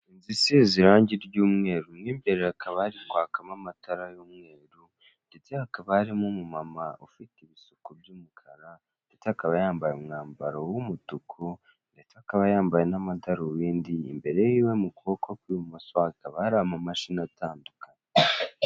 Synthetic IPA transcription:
inzisiziɾaːɲɟiɾɟuːmŋe̞ːɾumwiːmbe̞ɾeakʰaβahaɾiŋɡwaːkamamataɾajomŋe̞ːɾu | nde̞t͡seakaβaaɾimumumamaofiteβisokubjuːmukʰaɾa | nde̞t͡seakaβajaːmbajomŋaːmbaɾowumutukʰo | nde̞t͡seakaβajaːmbajenamataɾowiːndiːmbe̞ɾe̞jiwemukʰo̞ːkʰokwimumasakaβaɾamamaʃinatʰaːndukane

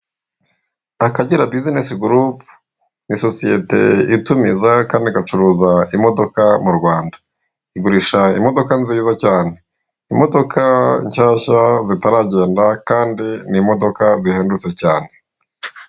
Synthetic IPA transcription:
akaɟiɾabizinesiɡuɾupu | niso̞sijete̞̰itumizakaːndiɡat͡ʃuɾuːzaimo̞do̞kamuɾɡwaːndḁ | iɡuɾiʃaimo̞do̞kanziːzacaːne̞ | imo̞do̞kʰaḭɲʃaːʃazitaɾaɟe̞ːndakaːndinimo̞do̞kazihe̞ːndut͡se̞caːne̞

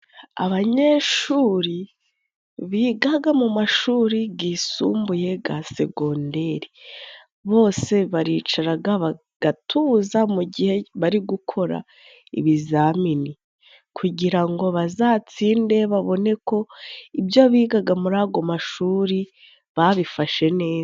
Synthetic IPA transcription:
a̰βaɲe̞ʃuːɾi | βiːɡaɡamumaʃuːɾiɡisṵːmbuje̞ɡase̞̰ɡo̞nde̞ɾi | βo̞ːse̞βaɾiːt͡ʃaɾaɡaβa | ɡ̥atʰuzamuɟihe̞βaɾiɡukʰo̞ɾa̰ | ḭβizamini | kʰuɟiɾaŋɡo̞βazaːt͡siːnde̞βaβo̞ne̞ko̞ibjo̞βiːɡaɡamuɾaːɡo̞maʃuːɾi | βaβifaʃe̞ne̞ː

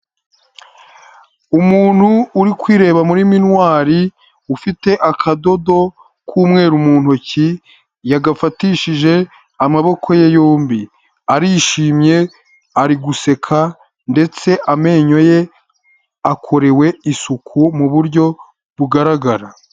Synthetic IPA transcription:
umuːn̥huːɾikwiːɾe̞ːβamuɾiminwaːɾi | ufite̞ʔakʰado̞do̞ | kʰuːmŋe̞ːɾumuːn̥hoci | jaɡafatiʃiʒe̞ | amaβo̞kʰo̞jejoːmbi | aɾiʃiːmɲe̞ | aɾiɡuse̞kʰa | nde̞t͡se̞ʔame̞ːɲo̞je̞ | akʰo̞ɾewe̞isukʰumuβuɾɟo̞ | βuɡaɾaɡaɾa

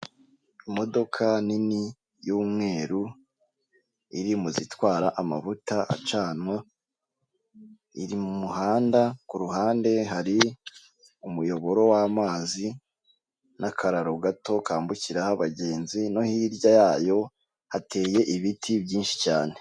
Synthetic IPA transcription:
imo̞do̞kʰanini | juːmŋe̞ːɾu | ḭɾimuzitwaːɾaʔama̰vutaʔa̰t͡ʃaːnwa | iɾimumuhaːndakuɾuhaːnde̞ɦaɾi | umujo̞βo̞ɾo̞waːmaːzi | nʔakʰaɾaɾoɡato̞kaːmbuciɾahaβaɟe̞ːnzino̞hiɾɟajaːjo̞ | hate̞ːje̞ʔiβitʰibjiːnʃi̥caːne

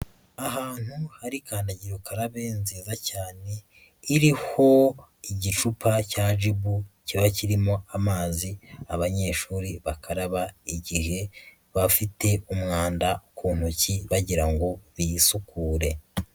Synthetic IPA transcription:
aɦaːn̥huhaɾikaːndaɟiɾokʰaɾaβeːnziːzacaːne̞ | iɾiho̞iɟit͡ʃupʰacaːʒibuciβaciɾimo̞amaːziaβaɲe̞ːʃuːɾiβakʰaɾaβaiɟihe̞ | βafite̞umŋaːndaukʰuːn̥huciβaɟiɾaŋɡo̞βijisukuːɾe̞

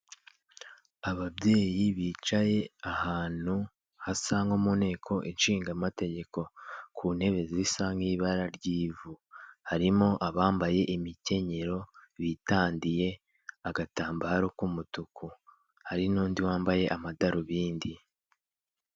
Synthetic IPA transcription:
aβabje̞ːjiβiːt͡ʃaje̞ahaːn̥u | hasaŋɡomune̞ːkʰo̞ʔinʃiːŋɡamate̞ɟe̞ko̞kʰunhe̞βe̞ziisaŋɡiːβaɾaɾɟiːvuhaɾimo̞ʔaβaːmbaje̞ʔimice̞ɲe̞ɾo̞βitaːndije̞ | aɡataːmbaːɾokumutuku | haɾinuːndiwaːmbaje̞ʔamadaɾuβiːndi

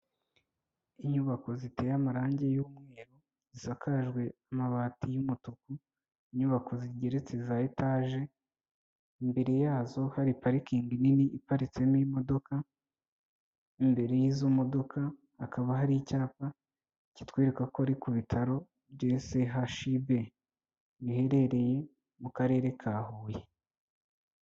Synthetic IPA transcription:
iɲuβako̞zite̞ːjamaɾaːɲɟe̞juːmŋe̞ːɾo | zisakaʒɡwe̞amaβaːtijumutuku | iɲuβako̞ziɟe̞ɾe̞t͡se̞zaitaːʒe̞ | imbe̞ɾe̞jaːzo̞haɾipaɾikiːŋɡininiʔːpaɾit͡se̞mimo̞do̞ka | imbe̞ɾe̞jizumo̞do̞kʰaː | kaβaɦaɾicaːpa | ici̥twiːɾekakoaɾikuβitʰaɾo̞ | bɟeːse̞ɦaʃiβe̞ | βihe̞ɾe̞ɾe̞je̞ | mukaɾe̞ːɾe̞kʰaːhuːje

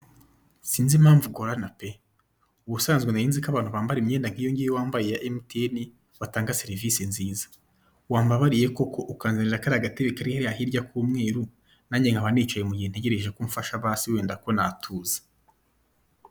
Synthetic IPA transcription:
siːnzimhaːɱvuɡoɾanape | uβusaːnzɡwenajiːnzikaβaːn̥huβaːmbaɾimɲeːndaŋ̥ijo̞ɲɟijewaːmbajejaʔemiteni | wataːŋɡaseɾivisinziːzḁ | waːmbaβaɾije̞ko̞kʰo̞ʔukaːnzaniɾakaɾaɡateβekaɾihaɾjaɦiɾɟakʰuːmŋe̞ːɾu | naɲeŋaβaneːt͡ʃajemuɟihenteɟe̞ɾe̞ʒekuɱfaʃaβaːsiwe̞ːndako̞natʰuːzḁ

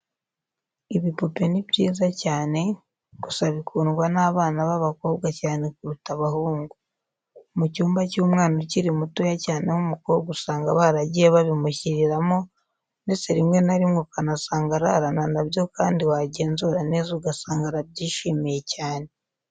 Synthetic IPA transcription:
iβipupe̞nibjiːzacaːne̞ | kusaβikʰuːnɡwanaːβaːnaβaβako̞ːβɡacaːne̞kuɾutaβaɦuːŋɡu | mucuːmbacuːmŋaːnociɾimutujacaːne̞humukoɡusaːŋɡaβaɾaɟijeβaβimuçiɾiɾamo | neseɾimŋe̞naɾimŋukanasaːŋɡaɾa̰ɾananaβjo̞kaːndiwaɟeːnzuɾane̞ːzuɡasaːŋɡaɾabɟiːʃimije̞caːne

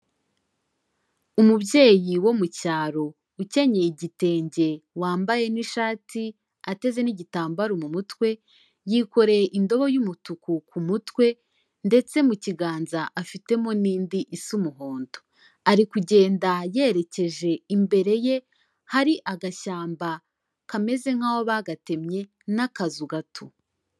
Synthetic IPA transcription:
umubje̞ːjiwo̞mucaːɾo̞ | uce̞ɲe̞iɟite̞ːɲɟe̞waːmbaje̞niʃaːti | ate̞ze̞niɟitaːmbaɾomumutwe̞ | jiko̞ɾe̞ʔindo̞βo̞jumutukukumutwe̞ | nde̞t͡se̞muciɡaːnzaʔafite̞mo̞niːndiʔisumuɦo̞ːndo̞ | aɾikuɟe̞ːndaje̞ːɾe̞ce̞ʒe̞imbe̞ɾe̞je̞ | haɾiʔaɡaʃaːmba | kame̞ze̞ŋ̥haho̞βaɡate̞mɲe̞ | nakazuɡatʰu

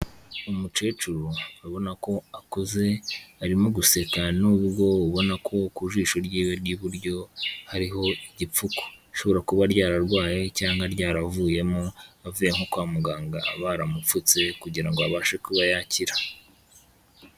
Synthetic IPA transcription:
umut͡ʃet͡ʃuɾuaβo̞nako̞akuze̞aɾimoɡuse̞kanuːβɾɡo̞uβo̞nakʰo̞kuʒiːʃoɾɟiːweɾɡiβuɾɟo̞haɾiɦo̞iɟip͡fuko̥ʃo̞βo̞ɾakuβaɾɟaːɾaɾɡwaːje̞caːŋɡaɾjɟaːɾavuːje̞moavujeŋokwaːmuɡaːŋɡaaβaːɾamup͡fut͡se̞kuɟiɾaŋɡoaβaːʃekuβajaciɾa

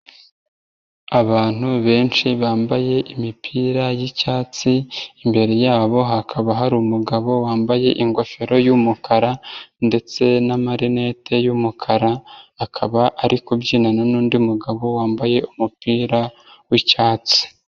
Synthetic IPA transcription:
aβaːn̥huβe̞ːnʃiβaːmbaje̞ʔimipʰiːɾajicaːt͡siːmbe̞ɾe̞jaːβo̞ɦakʰaβaɦaɾumuɡaβo̞waːmbaje̞ʔiŋɡo̞fe̞ɾo̞jumukʰaɾande̞t͡se̞namaɾine̞tʰe̞jumukʰaɾaːkʰaβaʔaɾikubɟiːnananuːndiumuɡaβo̞waːmbaje̞umupiːɾa | wicaːt͡si̥

